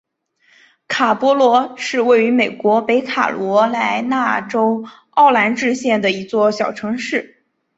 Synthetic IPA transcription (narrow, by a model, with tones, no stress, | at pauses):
kʰa˨˩pwɔ˧˥lwɔ˧˥ʂɻ̩˥˧we˥˩ɪy˧˥me˨˩ɪkwɔ˧˥pe˧˥ɪkʰa̰˨˩lwɔ˧˥la˧˥ɪna˥˩ʈ͡ʂo˥ʊ | ɑ˥˩ʊla˧˥nʈ͡ʂɻ̩˥˧ɕjɛ˥˩nd̪ə˩i˧˥t͡swɔ˥˩ɕjɑ˨˩ʊʈ͡ʂʰɤ˧˥ŋʂɻ̩˥˩